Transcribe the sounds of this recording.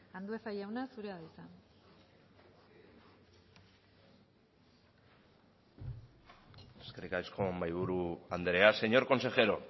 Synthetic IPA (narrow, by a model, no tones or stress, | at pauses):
and̪ue̞sajawnasuɾeaðajsan | eske̞rikaiskombajβuɾuand̪eɾe̞ase̞ɲo̞ɾko̞nse̞xe̞ɾo̞